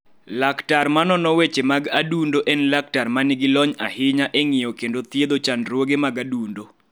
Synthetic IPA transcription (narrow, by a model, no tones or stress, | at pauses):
laktarmanɔnɔwet͡ʃemaɡadundoʔɛnlak̚tarmanɪɡɪlɔɲahɪɲaʔeŋɪjɔkendot̪jed̪ot͡ʃanɾwoɡemaɡadundo